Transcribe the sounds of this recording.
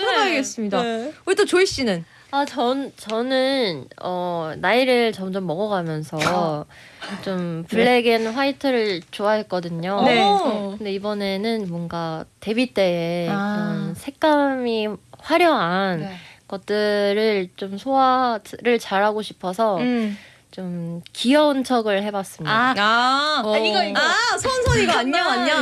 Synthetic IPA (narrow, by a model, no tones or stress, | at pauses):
aiɡes͈ɯmɲidaoit͈ot͡ɕoiɕ͈inɯn | at͡ɕʌnt͡ɕʌnɯnʌnaiɾɯɭt͡ɕʌmd͡ʑʌmːʌɡʌɡamjʌnsʰʌ | t͡ɕompɯɭːe̞ɡinɸwaitʰɯɾɯɭt͡ɕoaɦe̞t̚k͈ʌdɯɲoekɯnde̞ibʌne̞nɯnmwʌnɡate̞bit͈e̞ekɯɾʌnsʰe̞k̚k͈amiɸwaɾjʌɦankʌt̚t͈ɯɾɯɭt͡ɕomsʰoaɾɯɭt͡ɕaɾɦaɡoɕʰi̥pʰʌsʰʌ | t͡ɕomkijʌunt͡ɕʰʌɡɯɭhe̞bas͈ɯmia | asʰonsʰoɲiɡaaɲaaɲa